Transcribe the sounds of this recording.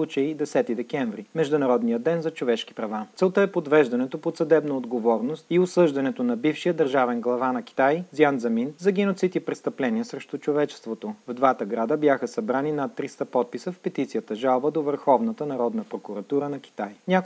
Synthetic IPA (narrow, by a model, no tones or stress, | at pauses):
ut͡ʃəid̪ɛsɛt̪id̪ɛkʲɛɱvɾimɛʒd̪ʊnɐɾɔd̪nijəd̪ɛnzɐt͡ʃovɛʃki̥pɾɐvat̪sɛlˠt̪əɛpod̪vɛʒd̪ɐnɛt̪opot̪sɐd̪ɛbnɐod̪ɡovɔɾnost̪iosɤʒd̪ɐnɛt̪onɐbifʃijəd̪əɾʒavɛnɡlˠɐvanɐki̥t̪aj̪zianzɐminzɐɡʲɛnot̪sit̪ipɾɛst̪ɐplɛniəsɾɛʃt̪ut͡ʃovɛt͡ʃɛ̥st̪vot̪ovd̪vat̪əɡɾad̪əbjaxəsɐbɾaninat̪ːɾist̪əpɔt̪̚pisəfpɛt̪it̪sijət̪əʒalˠbəd̪ovəɾxɔvnət̪ənɐɾɔd̪nəpɾokʊɾɐt̪uɾənɐk̟i̥t̪ajnʲak